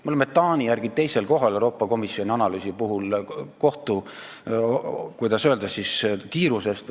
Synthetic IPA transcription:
meolemːet̪ːɑːnʲijæɾɡ̥it̪e̞jse̞lko̞ɦɑlewɾo̞ːpːˑɑko̞misio̞nʲiɑnɑlyːsipuɦulko̞ht̪u | kujd̪ɑsøld̪ɑsːiskiːɾuse̞st̪

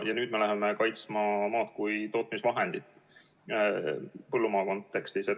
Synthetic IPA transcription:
jɑnyːd̪me̞læɦeme̞kɑjt̪smɑmɑːt̪̚kujt̪o̞ːt̪misvɑɦe̞nd̪̥it̪ːˑ | pɤlːumɑːko̞nt̪ːˑe̞kst̪ise

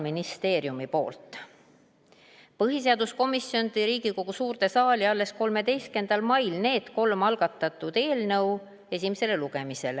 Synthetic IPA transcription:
minist̪e̞ːɾjumipo̞̰ːlt̪ˑ | pɤɦise̞ɑd̪̥usko̞misjo̞nt̪iɾiːɡ̥iko̞ɡ̥usuːrt̪e̞sɑːliɑlːe̞sko̞lme̞d̪e̞jske̞nd̪̥ɑlmɑjlne̞ːd̪̥ko̞lmɑlɡ̥ɑt̪ːˑɑt̪ːˑud̪̥e̞ːlnɤw | esʲimese̞le̞luɡ̥e̞mise̞le

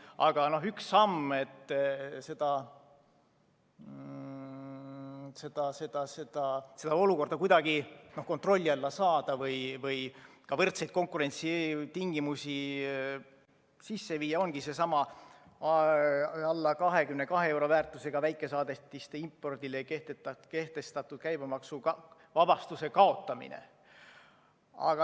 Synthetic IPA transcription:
ʔɑ̰ɡ̥ɑno̞ɦyksːɑmːe̞t̪ːˑse̞d̪̥ɑ | se̞d̪̥ɑse̞d̪̥ɑse̞d̪̥ɑse̞d̪̥ɑo̞luko̞rd̪̥ɑkujd̪̥ɑɡino̞hko̞nt̪ro̞lʲːiɑlːɑsɑːd̪̥ɑvɯjvɯj | kɑvɤrt̪se̞jd̥̪̚ko̞ŋkˑuɾe̞nʲt̪sit̪iŋɡ̥imusʲi | sisːe̞viːjɑo̞nɡ̥ise̞sɑmɑ | ɑlːɑkɑɦe̞kymne̞kɑɦee̞wɾo̞væːrt̪ːˑuse̞ɡ̥ɑvæjkːˑe̞sɑːd̪e̞t̪ːist̪eimpːo̞rd̪̥ilekeht̪et̪ke̞ht̪e̞st̪ɑt̪ːˑud̪̥̚kæjbemɑksuɑ | vɑb̥ɑst̪use̞kɑo̞t̪ːˑɑmḭnḛ | ɑ̰ɡ̥ɑ

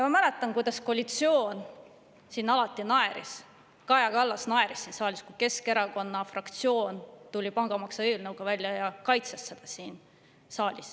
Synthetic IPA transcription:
jɑmɑmælet̪ːˑɑnkujd̪̥ɑskoɑlʲit̪sio̞ːn | sinːɑlɑt̪ːˑinɑe̞ɾis | kɑjɑkɑlːɑsnɑe̞ɾisːiːnsɑːlʲiskuke̞ske̞ɾɑko̞nːɑfrɑkt̪sio̞ːnt̪ulʲipɑŋɡ̥ɑmɑksɑeːlnɤwɡ̥ɑvælʲjɑjɑkɑjt̪sesːe̞d̪̥ɑsiːn | sɑːlʲis

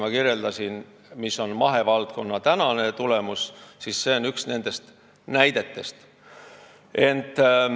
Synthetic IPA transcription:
mɑkirje̞ld̪ɑsin | misːo̞nmɑɦe̞vɑlt̪̚ko̞nːɑt̪ænɑne̞t̪ule̞mussisːe̞o̞nyksne̞nd̪̥e̞st̪ | næjd̪e̞t̪ːe̞st̪ | e̞nt̪ːˑ

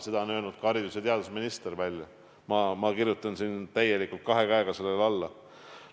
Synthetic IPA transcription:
se̞d̪ɑonø̞ːlnud̪̥̚kɑɾid̪usjɑt̪e̞ɑd̪usminist̪eɾvælʲjɑ | mɑmɑkirjut̪ːˑɑnsint̪æje̞likːˑult̪̚kɑɦe̞kæeɡ̥ɑse̞lːelɑlːɑ

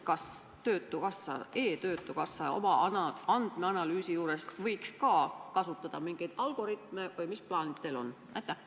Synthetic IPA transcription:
kɑs | t̪øːt̪ːˑukɑsːɑ̰ʔe̞ːt̪ø̞ːt̪ːˑukɑsːɑo̞̰mɑnɑɑnd̪̥meɑnɑlyːsijuːɾe̞svɤjkskɑːkɑsut̪ːˑɑd̪̥ɑmiŋɡ̥ejd̪̥ɑlɡ̥o̞ɾit̪ˑmevɯjmisplɑːnid̪̚t̪elo̞̰n | ʔæt̪ːˑæ

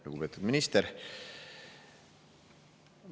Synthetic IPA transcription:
luɡ̥upe̞ːt̪ˑud̪minist̪eɾ

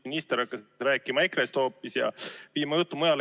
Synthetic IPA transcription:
inist̪eɾɑkːɑsɾæːkːˑimɑekrest̪hoːpːˑisjɑ̰piːmɑjut̪ːˑumujɑl

